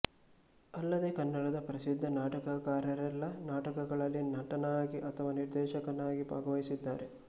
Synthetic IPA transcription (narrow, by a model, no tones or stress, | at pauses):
ɐlːɐd̪eːkɐnːɐɽɐd̪ɐpɐɾɐsid̪ʱːɐnaːʈɐkɐkaːɾɐɾɛlːɐnaːʈɐkɐɡɐɭɐlːinɐʈɐnaːɡiʔɐt̪ʰɐʋaːniɾd̪ɛːʃɐkɐnaːɡibʱa̰ːɡɐʋɐjisid̪ːa̰ːɾe